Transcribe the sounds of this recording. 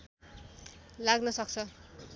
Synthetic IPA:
laɡnʌsʌk̚t͡sʰʌ

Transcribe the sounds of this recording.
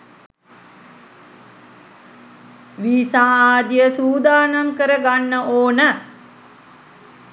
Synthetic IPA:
ʋiːsaːaːd̪ijəsuːd̪aːnamkəɾəɡanːəʔoːnə

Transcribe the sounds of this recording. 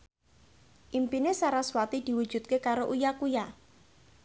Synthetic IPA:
ʔimpinesaɾaswat̪id̪̥i̤wud̥ʒ̥ṳt̪̚kekaɾoʔujakuja

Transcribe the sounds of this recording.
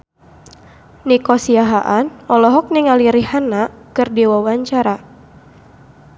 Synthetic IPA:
nikɔsiaɦaʔanɔlɔɦɔk̚niŋaliɾihanakɨrdiwawaɲt͡ʃaɾa

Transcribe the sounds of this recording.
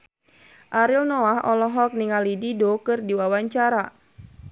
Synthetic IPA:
ʔaɾilnɔaɦɔlɔɦɔk̚niŋalididokɨrdiwawaɲt͡ʃaɾa

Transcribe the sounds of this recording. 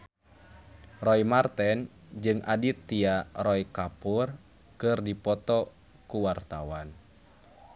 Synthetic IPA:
rɔimart̪ɛn | d͡ʒɨŋʔadit̪ːiarɔikapur | kɨrdipɔt̪ɔ | kuwart̪awan

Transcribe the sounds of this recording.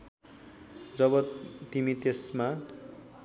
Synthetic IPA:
d͡zʌbʌt̪imit̪esma

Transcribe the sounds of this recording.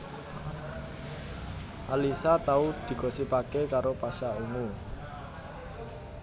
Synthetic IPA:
ʔalisat̪aud̪̥i̤kɔsipakekaɾopasaumu

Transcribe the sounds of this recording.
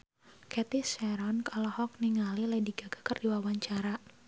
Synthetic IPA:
kɛt̪isɛɾɔnkalɔhɔk̚niŋaliladiɡaɡ̥akərdiwawaɲt͡ʃaɾa

